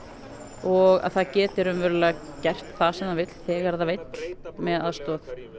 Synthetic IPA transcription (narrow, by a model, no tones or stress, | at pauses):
ɔɣa̰ðθaðcɛːt̪ɪɾʏmvɛɾʏlɛɣa | cɛr̥t̪θasɛmnavɪjt̪l̥θɛɣaɾðavejt̪l̥mɛðaðst̪ɔːθ